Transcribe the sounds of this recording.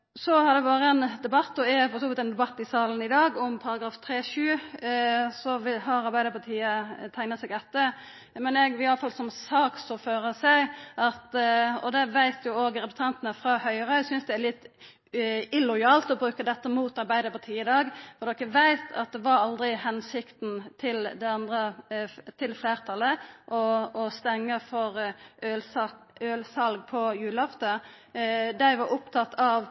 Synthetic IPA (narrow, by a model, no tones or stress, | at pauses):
sɔhɑɾd̪ɛbɑːɾəɛnd̪ɛbɑt̪ːɔɛpʰɔɾsɔbɛt̪ɛnd̪ɛbɑt̪ːɪsɑːlən̩ɪd̪ɑːɡɔmpʰɑɾɑɡɾɑːft̪ʰɾeːʃʉː | sɔʋɪɦɑɾɑɾbæɪd̪əɾpɑt̪ʰiːət̪ʰæɪnətsɛɡɛt̪ːə | mɛnɛɡɪɑlːəfɑlsɔmsɑːksɔføːɾəsæɪʔɑt̪ɔd̪ɛʋæɪt̪jʊoːɡɾɛpə̥st̪ʰɑnt̪ənəfɾɑhœʏɾœsʏnsd̪ɛæɾlɪt̪ː | ɪlɔjɑːlt̪ɔbʁʉːkəd̪ɛt̪ːəmuːt̪ɑɾbæɪd̪əpɑt̪ʰiːɪd̪ɑːɡfɔɾd̪ɔkːʋæɪt̪ʰɑ̰t̪̚d̪ɛʋɑɾɑld̪ɾɪhɛnsɪkt̪n̩t̪ʰɪld̪ɛɑnd̪ʁət̪ʰɪlfleːʁt̪ʰɑlːəʔɔɔst̪ɛŋːəfɔɾʔøɑøːlsɑlɡ̚pʰɔjʉːlɑft̪ə | d̪æɪʋɑɾʊpt̪ʰɑt̪ʰːɑʋ